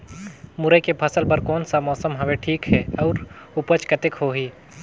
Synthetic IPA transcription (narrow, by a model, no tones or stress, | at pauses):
mʊɾəjkepʰɐsəlpəɾkɔːnsamɔːsəmɦɐʋeʈʰiːkɦɛɔːɾ | ʊpət͡ʃkət̪ekɦoːɦiː